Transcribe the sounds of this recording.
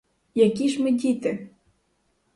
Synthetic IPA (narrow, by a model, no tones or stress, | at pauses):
jɐkʲiʒmɪdʲit̪ɪ